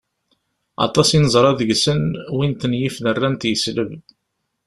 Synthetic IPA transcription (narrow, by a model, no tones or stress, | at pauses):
ɑ̰t̪ˤɑsinəzˤɾˤɑðəʝsənwint̪njifnərːænt̪jəsləv